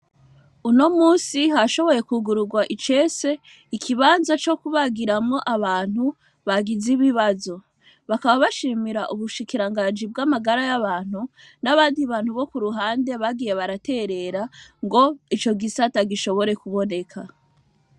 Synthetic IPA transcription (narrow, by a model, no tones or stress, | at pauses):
uno̞muːsihaʃo̞βo̞je̞kuɡuɾuɡwaʔit͡ʃe̞se̞ | ikʰiβaːnzat͡ʃo̞kuβaɡiɾamŋo̞ʔaβaːn̥hu | βaɡiziβiβazo̞ | βakaβaβaʃiːmiɾaʔuβuʃikiɾaŋɡaːnd͡ʒib̚ɡamaɡaɾajaβaːn̥hu | naβaːndiβaːnhuβo̞kuɾuɦaːnde̞βaɡiːje̞βaɾate̞ɾe̞ɾaŋɡo̞it͡ʃo̞ɡisataɡiʃo̞βo̞ɾe̞kuβo̞ne̞kʰa